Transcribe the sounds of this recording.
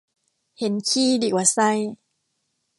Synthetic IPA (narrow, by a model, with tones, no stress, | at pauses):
he˨˦nkʰiː˧˨diː˧˩kwaː˨˧˩sa˧j